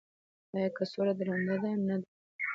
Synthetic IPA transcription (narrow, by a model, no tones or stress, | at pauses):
ɑjɑkasoɾad̪ɾand̪ad̪aamnad̪a